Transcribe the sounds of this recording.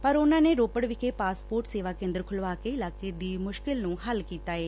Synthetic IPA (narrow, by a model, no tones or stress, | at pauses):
pəɾʊnãːneːɾoːpəɽʋɪkʰeːpaːspoːɾʈseːʋaːkẽːnd̪əɾkʰʊlʋaːkeːɪlaːkeːd̪iːmʊʃkɪlnũːɦəlkiːt̪aːeː